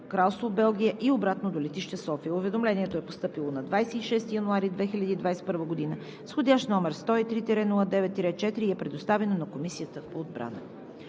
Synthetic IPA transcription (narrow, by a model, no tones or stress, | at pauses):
kɾalˠst̪vobɛlˠɡʲijəʔiobɾat̪nod̪olɛt̪iʃt̪ɛsɔfijəʊvɛd̪omlɛniɛt̪oɛpost̪ɤpilˠonɐd̪vajsɛiʃɛst̪ijɐnuaɾid̪vɛxilʲɐd̪iːd̪vajsɛ̥pɤɾvəɡod̪inə | sxodʲaʃt̪nɔmɛɾst̪ɔit̪ɾit̪ɛɾɛnulˠəd̪ɛvɛt̪ːiɾɛt̪̚t͡ʃɛt̪iɾiɛpɾɛd̪ost̪avɛnonɐkomisijət̪əpoːd̪̚bɾa̰nə̰